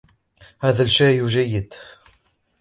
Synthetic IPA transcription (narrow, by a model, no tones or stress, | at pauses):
æðəlʃæjuʒæjəd̪